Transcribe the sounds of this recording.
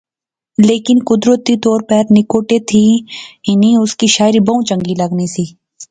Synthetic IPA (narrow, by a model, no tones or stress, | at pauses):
leːkɪnkʊd̪ɾət̪it̪ɔːɾpəɾnɪkoːʈet̪ʰiɪniʊskiʃaːɪɾibɐũt͡ʃə̃ŋɡilɐɡnisiː